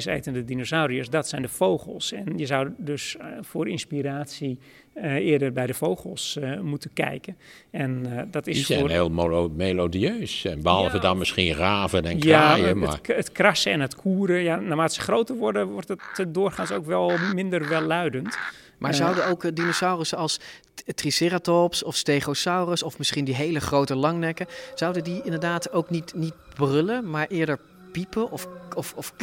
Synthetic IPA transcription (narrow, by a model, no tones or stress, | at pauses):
sḛːtəndədinosawɾiosdɔtsɛjndəfowxəlˠsɛnjəzawdøsfʊːrinspiraːtsi | ɪədərbɛjdəfowɣəlˠsmutənkɛ̰jkə | ɛndɔtɪsisfɛnheːlˠmelodiøːsɛnbəɑlˠvədɔnmɪsxinraːvənɛnkjaːjəma̰ətkrasəɛnətkʰuəɾəjanamaːtsə̥χrowtərʋɔɹdəʋɔrtɔtədʊːrχansowkʋɛlˠmɪndərʋɛlˠœɥdənt | maɹzawdəowkdinosawrəsɑlˠs | trisɪratopsɔfstejχowsawrəsɔfmɪsχindiɦejləχrowtəlɑŋnɛkəz̥ʌwdədiɪndəɹdaːtowknitnit̚brʏləmaɹʔɪːɹdəɹ | pipəʔɔfɔfɔf